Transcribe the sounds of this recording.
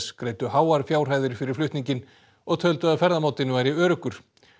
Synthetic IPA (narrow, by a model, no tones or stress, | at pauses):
skɾejt̪ʏhaːwaɾ̥fjaːwr̥ɦaːjðʏɾfɪɾɪɾ̥flʏht̪niɲcɪn | ɔɣt̪ʰœlt̪ʏaðfɛɾðamaːwt̪ɪnːʏvajɾiœːɾʏkʏɾ̥